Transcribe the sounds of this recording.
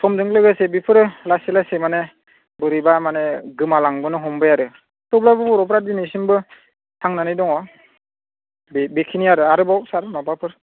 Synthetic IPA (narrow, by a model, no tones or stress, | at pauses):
sɔmdɯŋlɯɡasebipʰɯɾɯlaselasemane | bɯɾibamaneɡɯmalaŋbɯnɯɦɔmbɯjaɾɯ | tɔblabɯpuɾɔpʰɾadinisinbɯ | tʰaŋnanɯjdɔŋɔ | bebekʰiniaɾɯaɾɯbawsaɾmapapʰɯɾ